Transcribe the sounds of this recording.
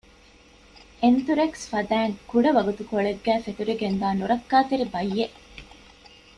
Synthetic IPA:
ʔent̪uɾeksfɐd̪æːŋkuɖɐʋɐɡut̪ukoɭeɡːæːfet̪uɾiɡend̪aːnuɾɐkːaːt̪eɾibɐjːeʔ

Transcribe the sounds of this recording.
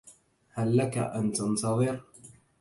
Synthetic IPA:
halːaka̰ʔant̪ɑnt̪ɑðˤɨɾ

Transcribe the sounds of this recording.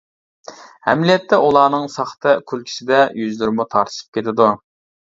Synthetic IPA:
hɛ̰mlijɛt̪ʰːɛʔulˠɑːnɨŋsɑχt̪ʰɨkʲʰylkʲʰi̥sɪd̪ɛjyzlyɾmut̪ʰɑɾt̪ʰɨ̥ʃɨ̥p̚kʲʰet̪ʰɪd̪u

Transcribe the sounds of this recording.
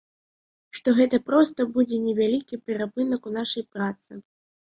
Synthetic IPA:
ʂt̪ɔɣɛt̪ɐpɾɔst̪ɐbud͡zʲɛnʲɛvʲalʲikʲipʲɛɾapɨnɐkunaʂɐjpɾat̪sɨ

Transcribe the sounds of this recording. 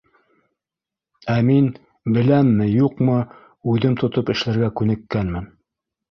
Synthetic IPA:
æmin | bɘ̆læmːɘjuqmɤ | ʉðɘmt̪ʰŏt̪opɘ̆ʃlæɾɡækʉnɘ̆kːænmɘn

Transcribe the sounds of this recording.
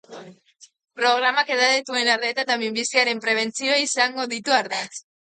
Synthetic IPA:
pɾo̞ɣ̞ɾamake̞ðaðet̪ue̞naɾðe̞ːt̪at̪amimbisiaɾe̞mpɾe̞β̞e̞nt͡sioaisaŋɡo̞ðit̪uaɾðes

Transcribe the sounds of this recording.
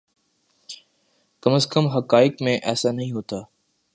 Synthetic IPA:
kəməskəmɦɐkaːɪkmẽʔɛːsanəɦĩɦoːt̪aː

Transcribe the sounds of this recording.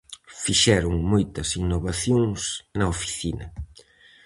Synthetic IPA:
fiʃɛɾʊŋmojt̪ɐsinoβaθjoŋsnɐofi̥θinɐ̰

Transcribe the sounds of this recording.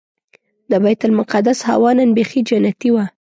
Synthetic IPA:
d̪əbajt̪ʊlmʊqad̪asha̰wɑnanbexid͡ʒanat̪iwa

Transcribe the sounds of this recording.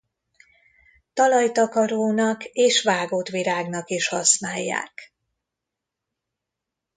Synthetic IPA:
t̪ɒlɒjt̪ɒkɒɾoːnɒkeːʃʋaːɡoːt̪ʋiɾaːɡnɒkiʃhɒsnaːjːa̰ːk

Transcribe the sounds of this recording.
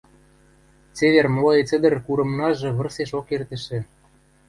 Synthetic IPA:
t͡seβermloet͡s̪ə̆d̪ə̆rkuɾɤ̆mnɑʒɤ̆βɤ̆rseʃokert̪ə̆ʃɘ̆

